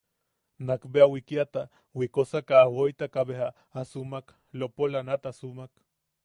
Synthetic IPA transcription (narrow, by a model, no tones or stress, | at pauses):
nakbeawikiat̪a | wikosakaːwojt̪akaβeɦaː | sumak | lopolanat̪asumak